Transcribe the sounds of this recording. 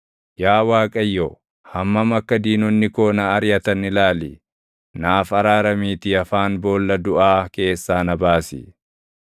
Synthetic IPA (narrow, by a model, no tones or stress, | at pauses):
jaːwaːkʼɐjːoː | hɐmːɐmɐkːɐd̪iːnɔnːɪko̞ːnɐːɾjɐt̪ɐnɪlaːlɪ | naːfɐɾaːɾɐmiːt̪ɪɐfaːnbo̞ːlːɐd̪ʊʔaːke̞ːsːaːnɐbaːsɪ̰